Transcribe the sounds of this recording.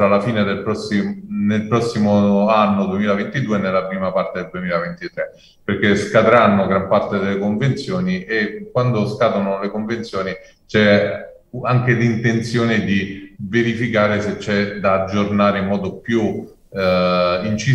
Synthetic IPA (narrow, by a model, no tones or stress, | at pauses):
alafiːned̪elpɾɔsːinelpɾɔsːimoanːod̪uemiːlavent̪id̪uːenːelːapɾiːmapart̪ed̪eld̪uemiːlavent̪it̪ɾe | perkeskad̪ɾanːoɡɾampart̪ed̪elːekoɱvent̪sjoːniʔekːwand̪oskat̪onolekoɱvent̪sjoːni | t͡ʃɛ | aŋk̟elint̪ent̪sjoːnid̪iveɾifikaːɾeset͡ʃːɛd̪aːd͡ʒːornaːɾeimːɔːd̪opju | int͡ʃi